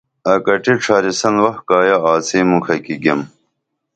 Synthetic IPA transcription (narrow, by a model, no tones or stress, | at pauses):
ɐkɐʈiʈ͡ʂʰaːɾisɐnwɐhkaːjaaːseːmukʰɐkiɡem